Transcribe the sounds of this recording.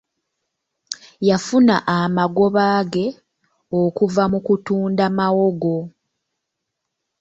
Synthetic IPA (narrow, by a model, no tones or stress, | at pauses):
jafuna̰ʔamaɡo̞βaːɡe̞ | okuvamukutuːndamawo̞ɡo̞